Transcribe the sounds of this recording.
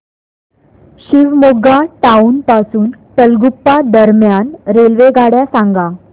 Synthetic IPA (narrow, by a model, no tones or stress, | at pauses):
ɕiʋmoɡaʈaunpasuːnt̪əlɡupːad̪əɾmjanɾelʋeɡʱaɽjasãŋɡa